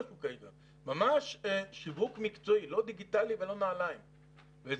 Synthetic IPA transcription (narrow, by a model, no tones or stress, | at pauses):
fukait̪a | mamaʃʃivukmikt͡soilo̞d̪iɡit̪alivelo̞naːlajm | vez